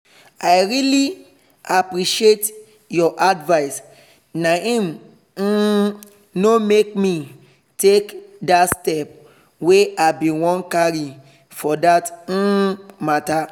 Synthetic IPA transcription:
aɪɹili | apɹiʃiet | jɔʔadvaɪs | naĩm̩ | nomekmi | tekdatstɛp̚ | weabĩwɔ̃nkaɹi | fɔdat̩ | mata

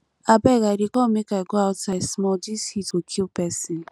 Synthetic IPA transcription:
abɛɡaɾikɔmĩkaɡuaɔtasmɔd͡ʒisitokʰipɛsĩ

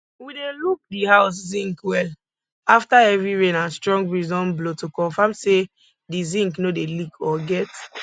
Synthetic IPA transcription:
wideluk̚dihaʊszĩŋkwɛl | aftaɛvɹiɹẽnãnstɹɔ̃ŋɡɹizɔ̃nblotokɔ̃nfãmse | dizĩŋknodelikɔɡɛt

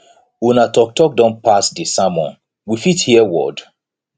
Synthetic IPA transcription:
unatɔk̚tɔk̚dɔ̃npasdisamɔ̃n | wifithiɛwɔ̰d

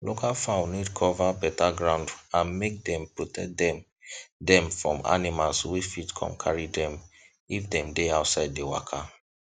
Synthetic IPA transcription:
lokʰalfãʊ̃nidkʰɔvabɛtaɡɹãʊ̃ndãnmek̚dɛ̃mpɹɔtʰɛk̚dɛ̃m | dɛ̃mfɹɔ̰̃ma̰nimalswifitkʰɔ̰̃nkʰaɹidɛ̃m | ifdɛ̃mdeaʊtsaɪd̚ːewa̰kʰa

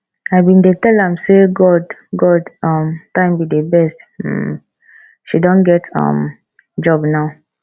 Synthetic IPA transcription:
aɪbĩndetɛlãmseɡɔdɡɔdɔ̃mtãɪ̃mbidebɛst̩ | ʃidɔ̃nɡɛtʌ̰̃m | d͡ʒɔbnaʊ

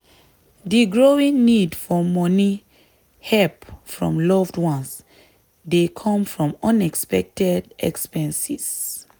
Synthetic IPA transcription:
diɡɹoĩŋnidfɔmɔni | hɛpfɹɔ̰̃mlɔvdwɔ̃ns | dekʰɔ̃mfɹɔ̃mɔ̃nɛkspɛk̚tɛdɛ̰kspɛ̃nsis

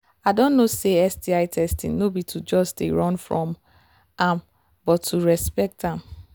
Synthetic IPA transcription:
aɪdɔ̃nːoseɛsdiaɪtʰɛstḭ̃nnobitʰud͡ʒɔstḛɹɔ̃nfɹɔ̃m | ãm | bɔtʰːuɹɛspɛk̚tãm

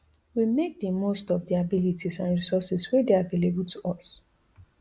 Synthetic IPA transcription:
wimek̚dəmostɔvdiabilitʰisãnɹisɔsɛswedeavelebultʰuʔɔs

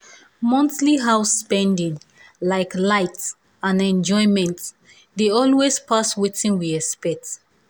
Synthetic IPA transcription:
mɔ̃nθliɦaʊspɛ̃ndĩŋ | laɪklaɪts | ãnɛ̃nd͡ʒɔ̃ɪ̃mɛ̃nt | deɔlwespʰaswetĩnwiɛspɛt

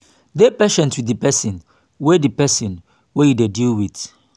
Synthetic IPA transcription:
dɛpɛʃɛ̃ntwiəpɛsə̃n | wɛdipɛsɔ̃n | wɛjidedilwit

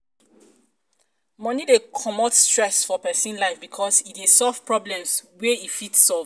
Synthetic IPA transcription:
mɔ̃nidekʰɔmɔtstɹɛsfɔpɛsĩnlaɪfbikʰɔsitdesɔlv̥pɹɔblɛ̃mswɛitfitsɔlv

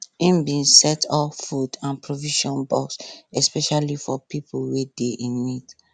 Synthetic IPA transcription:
ĩmbĩnsɛtʰɔfudãnpɹoviʃɔ̃nbɔksɛspɛʃalifɔpipʰulwedeʔĩnmit

